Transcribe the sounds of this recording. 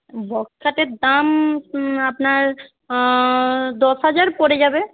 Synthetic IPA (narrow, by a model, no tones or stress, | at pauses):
bʱɔkkʰːaʈed̪am | apnaɾ | d̪ɔsɦad͡ʒaɾpoɾed͡ʑabe